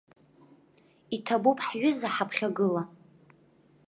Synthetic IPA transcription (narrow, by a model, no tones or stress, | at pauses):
itʰabupʼħɥʊzaħapʰχʲaɡɨla